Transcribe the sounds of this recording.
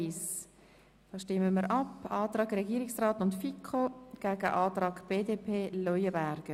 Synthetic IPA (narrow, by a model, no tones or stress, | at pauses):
is | d̥ɑːʃtɪmːəməɾʔɑpɑːt̪ɾɑːɡɾɛɡiːɾɪksrɑːtʊntfikʰoɡ̥æɡə̰ʔɑːtɾɑːɡb̥eːdeːpʰeːlɔjəbæɾɡ̥ə